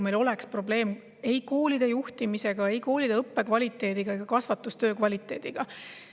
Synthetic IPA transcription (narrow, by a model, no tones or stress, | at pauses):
me̞jlo̞lekspro̞ble̞ːm | e̞jko̞ːlʲid̪̥e̞juht̪imise̞ɡ̥ɑe̞jko̞ːlid̪e̞ɤpːe̞kvɑlʲit̪ˑːe̞ːd̪̥iɡ̥ɑeɡ̥ɑkɑsvɑt̪ːˑust̪øːkvɑlʲit̪ːˑe̞ːd̪̥iɡ̥ɑ